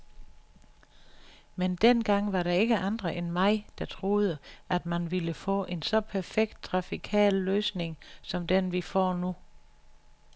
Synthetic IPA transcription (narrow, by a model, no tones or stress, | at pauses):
mend̥enɡ̥ɑ̈ŋ̰ʋɑ̈ɾɑ̈e̝ɡ̥əʔɑ̈nd̥ʁɐʔenmɑ̈ɪd̥ɑ̈t͡sʰʁo̝ːð̞ˠəʔæd̥mænʋiləfɔ̰̽ːʔe̝nsɒ̽pʰæɐfeɡ̥̚d̥̚t͡sʰʁɑ̈fikʰɛ̰ːlːøːsne̝ŋsɒ̽md̥enʋifɒ̰ːnu